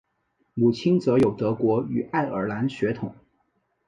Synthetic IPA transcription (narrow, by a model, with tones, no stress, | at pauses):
mu˨˩t͡ɕʰi˥nt͡sɤ˧˥jo˨˩ʊt̪ɤ˧˥kwɔ˧˥y˨˩a˥˩ɪə̰˞˨˩la˧˥nɕɥɛ˧˥t̪ʰʊ˨˩˦